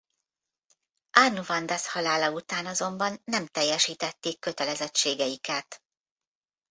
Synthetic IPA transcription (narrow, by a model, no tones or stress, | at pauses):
anːuvɒnd̪ashɒlaːlɒut̪aːnɒzo̞mbɒnːɛmt̪ɛjːɛʃiːt̪ɛt̪ːeːkːø̞t̪ɛlɛzɛt͡ʃːeːɡɛjikɛt̪